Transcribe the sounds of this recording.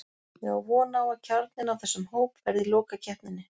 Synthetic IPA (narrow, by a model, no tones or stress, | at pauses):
jɛɣawvɔːnaːwacʰaɾt̪nɪnawθɛsːʏmhoːwpvɛɾðɪlɔːkacʰɛhpnɪnːɪ